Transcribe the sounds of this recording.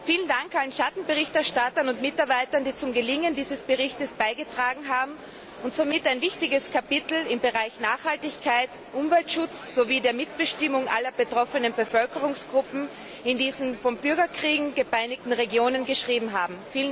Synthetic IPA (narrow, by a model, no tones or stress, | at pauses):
fiːləndaŋkʔalənʃatn̩bəʁɪçtɛɐʃtatɐnʊntmɪtaɐbaɪtɐndiːt͡sʊmɡəlɪŋəndiːzəsb̥əʁɪçtəsb̥aɪɡətʁ̥aːɡŋ̩ɦaːbm̩ | ʊntz̥omɪtaɪnvɪçtɪɡəskʰapɪtl̩ɪmbəʁaɪçnaːχhaltɪçkʰaɪt | ʔʊmvɛltʃʊt͡sz̥oviːdeːɐmɪtb̥əʃtɪmʊŋʔalɐb̥ətʁ̥ɔfənənbəfœlkəʁ̞ʊŋsɡ̥ʁʊpm̩ | ɪndiːzn̩fɔnbʏɐɡɐkʁ̥iːɡŋ̩ɡəpaɪnɪk̚tn̩ʁeɡjoːnənɡəʃʁ̥iːbm̩ɦaːbm̩fiːln